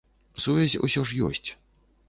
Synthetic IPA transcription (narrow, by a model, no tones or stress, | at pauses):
suvʲazʲṵsʲɔʂjɔ̰sʲt͡sʲ